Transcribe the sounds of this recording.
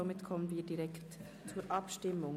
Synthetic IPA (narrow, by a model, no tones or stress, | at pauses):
omɪtkʰɔmənviːɾdiɾɛkt | t͡suːəɾʔɑpʃtɪmːʊŋ